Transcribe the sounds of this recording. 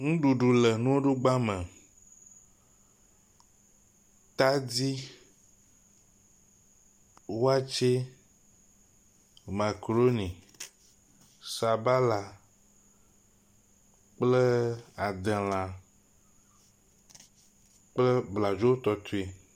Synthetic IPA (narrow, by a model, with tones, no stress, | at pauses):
ŋũ˦ɖu˨ɖu˨lɛ˨nũ˦wo˦ɖo˦ɡ͡ba˦mɛ̃˨ | t̪a˦di˦ | wo˦a˦t͡ʃe˦ | ma˨kɾo˦nĩ˨ | sa˨ba˦la˨ | k͡plə˦a˨d̪e˨l̃ã˨ | k͡plə˦bla˨d͡ʒo˦wo˦t̪ɔ˦t̪u˦i˦